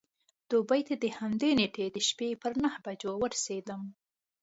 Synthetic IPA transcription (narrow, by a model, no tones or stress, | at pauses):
d̪̥ubəjt̪ad̪əhamd̪eneʈed̪əʃpepəɾnahbad͡ʒowəɾsed̪əm